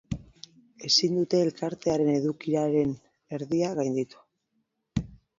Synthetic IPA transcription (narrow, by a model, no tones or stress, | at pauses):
e̞sind̪ut̪e̞ːlkaɾt̪e̞aɾe̞ne̞ðukiɾaɾe̞n | e̞ɾðiaɣajnd̪it̪u̥